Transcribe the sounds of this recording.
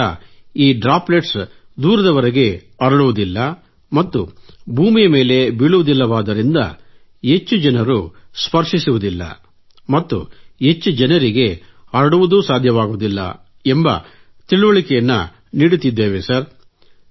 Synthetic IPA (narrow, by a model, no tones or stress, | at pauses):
ɐ̰iːɖɾaːpleʈs | d̪uːɾɐd̪ɐʋɐɾɐɡe̞ | ɐɾɐɭuʋud̪ilːɐ | mɐt̪ːubʱuːmijɐme̞ːle̞biɭuʋud̪ilːɐʋaːd̪ɐɾind̪ɐ̰ | e̞t͡ʃːud͡ʒɐnɐɾuspɐɾʂisuʋud̪ilːɐ̰ | mɐt̪ːṵe̞t͡ʃːud͡ʒɐnɐɾiɡe̞ɐɾɐɽuʋud̪usaːd̪ʱjɐʋaːɡud̪ilːɐ̰ | embɐ̰ | t̪iɭuʋɐɭikɛjɐnːu | niːɽut̪id̪ːeːʋesɐɾ